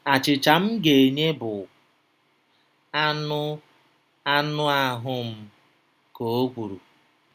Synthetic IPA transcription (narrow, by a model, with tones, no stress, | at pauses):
a˨t͡ʃɪ˨t͡ʃa˨m̩˦ɡe˨e˨ɲe˦bʊ˨ | a˦nʊ˦ | a˦nʊ˦a˨ɦʊ˦m̩˦ | ko˨o˦ɡʷu˨ɾu˨